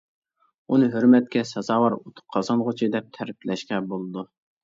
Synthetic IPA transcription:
unɨɦøɾmɛt̪̚kʲɛsɑzɑːwɑɾot̪ʰʊ̥q̚qʰːɑzɑnʁʊt͡ʃʰid̪ɛp̚t̪ʰɛɾplɛʃqɛbolˠɨd̪u

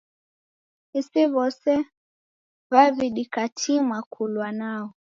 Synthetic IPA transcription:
isiβɔsɛ | βaviɗikatʰimakʰulwanaɔ

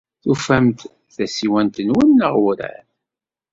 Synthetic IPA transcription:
θufæmt̪ | θæsiwænt̪ənwənːəʁwɾæ̰n

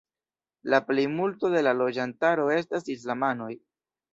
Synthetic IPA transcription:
laple̞jmulto̞de̞lalo̞d͡ʒantaɾo̞e̞s̬tasis̬lamano̞j

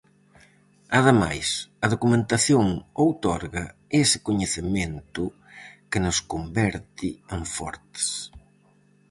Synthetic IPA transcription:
ɐðema̰jsɐðokumẽnt̪aθjoŋowt̪ɔɾɣɐesɪ̥koɲeθɪment̪ʊ | kɪnʊskombɛɾt̪ɪeɱfɔ̰ɾt̪ɪ̥s

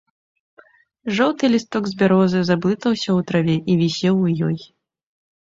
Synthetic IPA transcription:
ʐɔwt̪ɨlʲist̪ɔɡzʲbʲaɾɔzɨzablˠɨt̪ɐwsʲɐwt̪ɾavʲɛʔivʲisʲɛwjɔj

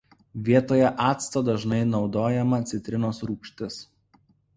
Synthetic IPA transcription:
ʋʲiɛt̪oːjɛʔɑːt̪st̪oːd̪ɐʒnɐɪnɒʊd̪oːjɛmɐt̪sʲɪt̪ʲɾʲɪnoːsɾuːkʃʲt̪ʲɪs

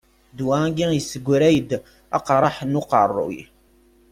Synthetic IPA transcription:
d̪wæɡijəsːəɡʷːɾæjəd̪ | ɑ̰qɾˤɑħnuqərˤːṵj

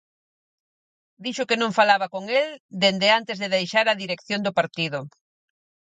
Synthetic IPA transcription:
d̪iʃʊkenõŋfalaβakoŋeld̪end̪ɪant̪ezðɪðejʃaɾɐðiɾekθjond̪ʊpaɾt̪iðʊ

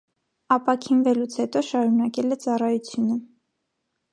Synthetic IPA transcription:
ɑpɑkʰinvɛlut͡sʰhɛt̪ɔʃɑɾunɑkɛlɛt͡sɑrɑjut͡sʰjunə

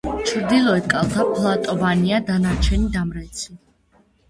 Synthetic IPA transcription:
t͡ʃʰɾd̪ilˠɔɛt̪kʼalˠt̪ʰapʰlˠat̪ʼɔvaniad̪anaɾt͡ʃʰɛnid̪amɾɛt̪sʰi

